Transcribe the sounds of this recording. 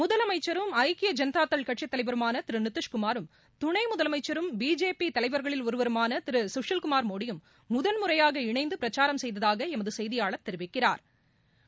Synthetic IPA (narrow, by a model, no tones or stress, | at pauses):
mʊðɐlɐmɐɪt͡ʃːɐɾɯmɐɪkɪjɐd͡ʒɐnɐt̪aːt̪ːɐɭkɐʈʂɪt̪ːɐlɐɪʋɐɾɯmaːnɐt̪ɪɾɯnɪt̪ːɯʂkʊmaːɾɯm | t̪ʊɳɐɪmʊðɐlɐmɐɪt͡ʃːɐɾɯmbiːd͡ʒeːpit̪ɐlɐɪʋɐɾɣɐɭɪlɔɾɯʋɐɾɯmaːnɐt̪ɪɾɯsʊʂɐlkʊmaːɾmoːɽɪjɯmː | ʊðɐnmʊrɐjaːɣɐɪɳɐɪnd̪ɯpɪɾɐt͡ʃaːɾɐmsɛjðɐðaːɣɐɛmɐðɯsɛjðɪjaːɭɐt̪ːɛɾɪʋɪkːɪraːɾ